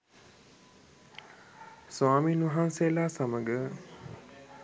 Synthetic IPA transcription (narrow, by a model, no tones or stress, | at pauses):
sʋaːminuɦanseːlaːsaməɡə